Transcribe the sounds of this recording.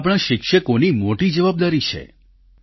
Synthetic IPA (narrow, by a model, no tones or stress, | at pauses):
pɽ̃ə̃ʃɪkʃəkonimoʈid͡ʒəʋab̚d̪aɾit͡ʃʰḛ